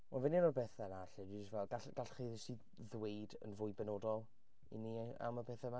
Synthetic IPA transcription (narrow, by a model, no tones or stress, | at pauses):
ɔnvɛnimabɛθɛnaɬɛdid͡ʒɪstvɛlˠɡaɬɡ̥aɬχiðsi | ðwejdə̰nvʊɨbɛnoːdɔlˠ | ḭnia̰mabɛθɛma